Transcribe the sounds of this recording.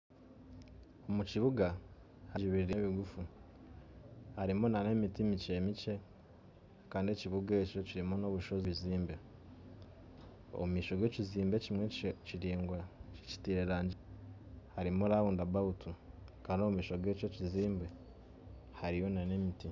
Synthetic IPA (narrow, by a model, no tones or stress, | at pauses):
omuciβuɡa | haɟiβiɾiɾe̞βiɡufu | haɾimonane̞mitimice̞ːmice̞ | kaːndie̞ciβuɡe̞ːco̞ciɾimono̞βuʃo̞ziβiziːmbe | o̰umiːʃo̞ɡe̞ciziːmbe̞cimweciɾiːŋɡwaci̥tiːɾeɾaːɲɟ | haɾimoɾaβuːndabautukaːnoumiːʃo̞ɡe̞ːco̞ciziːmbe | haɾijo̞nane̞miti